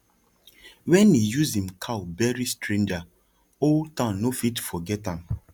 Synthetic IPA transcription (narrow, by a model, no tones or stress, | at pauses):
wɛ̃nijuzĩmkʰaʊbɛɹistɹẽnd͡ʒa | oltãnnːofitfɔɡɛtãm